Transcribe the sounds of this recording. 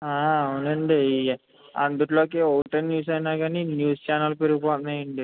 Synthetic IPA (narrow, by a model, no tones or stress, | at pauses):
aːɐunɐɳɖi | ɐ̰nd̪uʈloːkeːowʈɐnnjuːs̬ɐjnaːɡaːninjuːst͡ʃaːnɐlpeɾuɡupɔːt̪nɐjɐɳɖi